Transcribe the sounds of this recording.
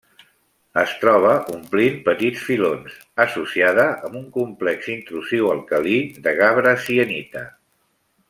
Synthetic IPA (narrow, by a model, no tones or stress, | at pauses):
əst̪ɾɔβ̞əʔumplinpət̪it͡sfilons | əsusiaðəʔəmbuŋkumplɛksint̪ɾusiwəlˠkəliðəɣaβɾəsiənit̪ə